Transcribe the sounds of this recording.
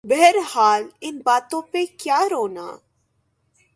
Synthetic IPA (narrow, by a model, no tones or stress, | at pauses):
bɛɦəɾhaːlɪnbaːt̪õpekjaːɾoːna̰ː